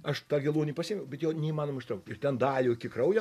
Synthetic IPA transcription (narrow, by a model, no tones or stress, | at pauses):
ɐʃt̪ɑːɡʲɪlˠuːnʲiːpɐsʲɪːmʲʊbʲɛt̪jɛʊnʲɛiːmɑːnoːmɐɪʃʲt̪ɾɐʊk̚t̪ɪrt̪ʲɛnd̪ɑːlʲuːkʲɪkrɐʊjɛ